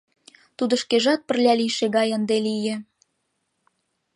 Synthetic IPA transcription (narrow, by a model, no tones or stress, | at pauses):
t̪ud̪ə̆ʃkeʒɑt̪̚pə̆rlʲæliʃeɣɑjənd̪elijĕ